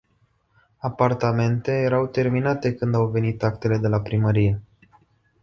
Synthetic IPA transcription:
apart̪ame̞nt̪e̞je̞ɾawt̪e̞rminat̪e̞kɨnd̪awve̞nit̪ak̚t̪e̞le̞d̪e̞lapɾiməɾije̞

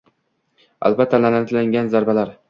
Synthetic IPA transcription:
a̰lbat̪ʰːalanant̪laŋɡʲanzaɾbalaɾ

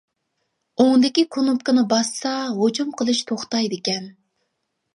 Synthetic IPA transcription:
oŋd̪ɪkʲikʰonup̚kɪnɨbɑsːɑɦot͡ʃumqʰəlˠɨʃt̪ʰoχt̪ɑjd̪ɪkʲɛn

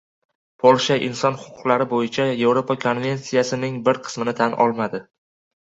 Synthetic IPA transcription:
pʰolˠʃaʔɪnsɒnhʊ̥qʰʊ̥qlˠaɾɪbojɪt͡ʃʰaje̞vɾopakʰo̞nvʲe̞nt̪sijasɪnɪŋbɪɾqʰɨ̥smɪnɪt̪ʰanɒ̰lˠmad̪ɪ

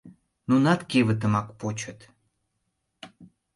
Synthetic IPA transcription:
nunɑt̪keβə̆t̪̬ə̆mɑkpot͡ɕət̪

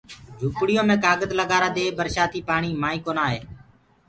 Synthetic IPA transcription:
d͡ʒʱuːpɽɪjõːmẽːkaːɡət̪ləɠaːɾaːd̪eːbəɾʃaːt̪iːpaːɳiːmaːĩːkoːnaːɦeː

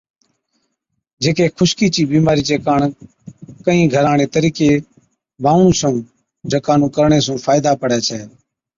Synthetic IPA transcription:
d͡ʒeːkeːkʰʊʃkiːt͡ʃiːbiːmaːɾiːt͡ʃeːkaːɳ | kəĩːɡʱəɾaːɳeːt̪əɾiːkeː | baːʋɳũːsə̃ː | d͡ʒʱəkaːnũːkəɾɳeːsũːfʰaːɪd̪aːpəɽjaːt͡ʃʰɛː

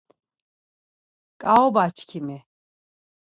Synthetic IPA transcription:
kʼaɔbat͡ʃʰkʰimi

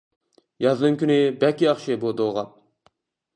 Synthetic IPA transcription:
jɑznɨŋkʲʰynɪbækʲiɑχʃɪbod̪oʁɑp̚

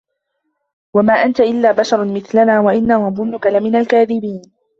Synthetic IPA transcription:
wamaːʔant̪aʔɪlːaːbaʃɑɾˤmɪθlanaːwaʔɪnːahʊmmʊnːʊkalamɪnalkaːðɪbiːn

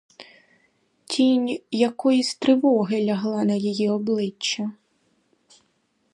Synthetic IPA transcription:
tʲinʲjakɔjisʲt̪ɾɪʋɔɦɪlʲɐɦlˠanɐjɔjiɔblˠɪt͡ʃːɐ

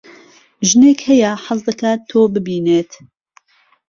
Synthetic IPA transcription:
ʒɨneːkhɛjaħɑzd̪ɐkʰaːt̪ʰːoːbɨbiːneːt̪

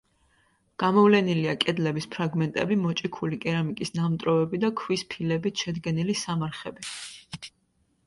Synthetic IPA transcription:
ɡ̥amɔvlɛniliakʼɛd̪lɛbispʰɾaɡmɛnt̪ʼɛbimɔt͡ʃʼikʰulikʼɛɾamikʼisnamt̪ʼɾɔvɛbid̪akʰwispʰilɛbit̪ʃɛd̪ɡɛnilisamaɾχɛbi

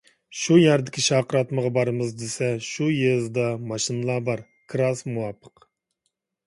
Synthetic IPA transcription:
ʃujæɾd̪ɪkʲʰiʃɑːqəɾɑt̪məʁɑbɑɾɨmɨzd̪esɛʃujezd̪ɑmɑʃinɨlˠɑbɑɾ | kʰɾɑsmuwɑpʰːə̥q

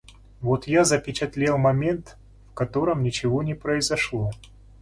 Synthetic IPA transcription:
vot̪jazəpʲɪt͡ɕɪt̪lʲelˠmɐmʲent̪ | fkɐt̪o̞ɾəmnʲɪt͡ɕɪvo̞nʲɪpɾəɪzɐʂlˠo̞

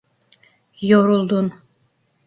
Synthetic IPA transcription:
joɾulˠd̪un

